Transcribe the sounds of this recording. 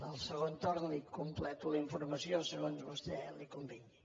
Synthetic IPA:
əlˠsəɣ̞ont̪oɾnlikumplɛt̪uləiɱfuɾməsiosəɣonzβust̪ɛlikumbiɲi

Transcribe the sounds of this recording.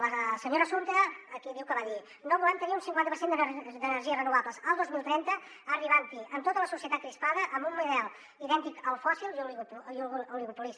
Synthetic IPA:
ləsəɲoɾəsunt̪əɣəːkiðiwkəβaði | noβulɛmt̪əniunsiŋkwanəpɾsend̪əd̪ənəɾʒiəsrənuβabləsəlˠd̪ozmilˠt̪ɾɛnt̪ə | əriβant̪iəmt̪ot̪ələsusiət̪at̪̚kɾispaðəʔəmbumːuðɛlˠ | iðɛnt̪ikəlˠfɔsilˠi | uliɣupulis

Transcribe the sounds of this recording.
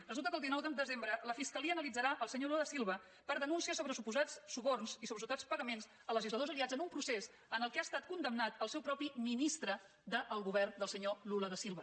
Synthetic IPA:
rəzulˠt̪əkəlˠd̪inɔwd̪əd̪əzembɾələfiskəliəːnəlid͡zəɾaʔəlˠsəɲoluləðəsilˠβə | pəɾðənunsiəsoβɾəsupuzat͡ssuβornsisoβɾəsuwt̪at͡spəɣəmenz | ələʒizləðozəliad͡zənumpɾuses | ənəlˠkɛast̪at̪̚kund̪əmnat̪əlˠsɛwpɾɔpiminist̪ɾə | d̪əʔəlˠɣuβɛrnd̪əlˠsəɲoluləðəsilˠβə

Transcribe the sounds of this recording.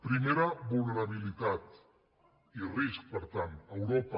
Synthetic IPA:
pɾimeɾaβulneɾaβ̞ilit̪at̪ | irisk̚pəɾt̪ant̪əwɾopa

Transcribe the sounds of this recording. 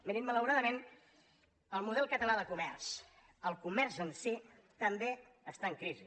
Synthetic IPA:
meɾimmələwɾaðəmen | əlˠmuð̞ɛlˠkət̪əlaðəkumɛrs | əlˠkumɛrzənsi | t̪əmbe | əst̪aəŋkɾizi

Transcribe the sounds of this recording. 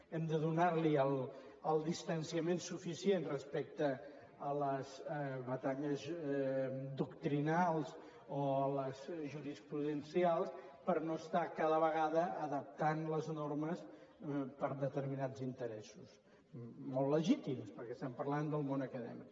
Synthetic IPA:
ɛmd̪əðunaɾliəlˠ | əlˠd̪ist̪ənsiəmensufisienrəspɛk̚t̪əː | ləzβət̪aʎəz | d̪ukt̪ɾinalˠz | oələzʒuɾispɾuðənsialˠspəɾnoəst̪akaðəβəɣaðəːðəp̚t̪anləznoɾməs | pəɾðət̪əɾminazint̪əɾɛsus | mɔlˠlːəʒit̪imspəɾkɛst̪ɛmpəɾland̪əlˠmonəkəðɛ̰mḭk

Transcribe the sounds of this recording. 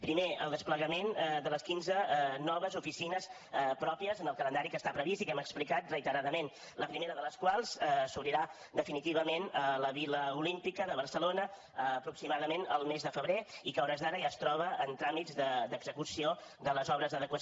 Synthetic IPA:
pɾimeəlˠd̪əspləɣəmend̪ələskinzənɔβ̞əzufisinəs | pɾɔpiəzənəlˠkələnd̪aɾikəst̪apɾəβist̪ikɛməksplikat̪rəit̪əɾaðəmen | ləpɾimeɾəðələskwalˠzsuβɾiɾa | d̪əfinit̪iβəmenələβiləulimpikəðəβəɾsəlonə | əːpɾuksimaðəmenəlˠmezðəfəβɾeikəɔɾəzðaɾəʒaːst̪ɾɔβəːnt̪ɾamid͡zd̪əd̪əɡzəkusio | d̪ələzɔβɾəzðəðəkwə

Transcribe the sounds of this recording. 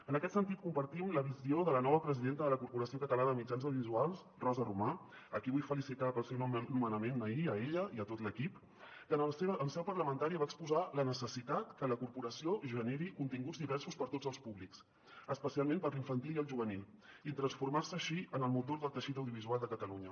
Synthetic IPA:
ənəkɛt̪sənt̪it̪̚kumpəɾt̪imləβizioðələnɔβəpɾəziðent̪əðələkuɾpuɾəsiokət̪əlanəðəmid͡ʒanzəwðizualˠs | rɔzəruma | əkiβujfəlisit̪apəlsewnumənəmenəiəeʎəiət̪ot̪ləkip | kənəlseβəlsɛpərləmənt̪aɾiəβaəkspuzalənəsəsit̪at̪kələkuɾpuɾəsioʒəneɾikunt̪iŋɡud͡zðiβɛɾsuspəɾt̪od͡zəlˠspuβliks | əspəsialˠmẽnpəɾliɱfənt̪iliəlˠʒuβənilˠit̪ɾənsfuɾmarsəːʃiənəlˠmut̪oɾðəlˠt̪əʃit̪əwðijuβ̞izualˠd̪əkət̪əluɲə

